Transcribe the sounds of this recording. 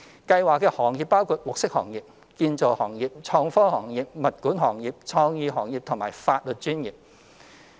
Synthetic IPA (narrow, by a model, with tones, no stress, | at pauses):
kɐ˧jwaː˨kːɛː˧hɔː˨˩ŋjiː˨˩pːaː˥wkʰuː˧t̚mʊ˨k̚sɪ˥k̚hɔ̰ː˨˩ŋjiː˨p̚ | kiː˧nt͡so˨whɔː˨˩ŋjiː˨p̚t͡ʃʰɔː˧ŋfɔː˥hɔː˨˩ŋjiː˨p̚mɐ˨t̚kuː˨˥nɦɔː˨˩ŋjiː˨p̚t͡ʃʰɔː˧ŋjiː˧ɦɔː˨˩ŋji˨p̚t̪ʰʊ˨˩maː˨˩jfaː˧t̚lɵ˨t̚t͡ʃyː˥njiː˨p̚